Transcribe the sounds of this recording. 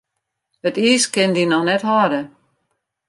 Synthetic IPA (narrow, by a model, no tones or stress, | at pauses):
ətiːskɪndinɔxnɛtɦɔɾə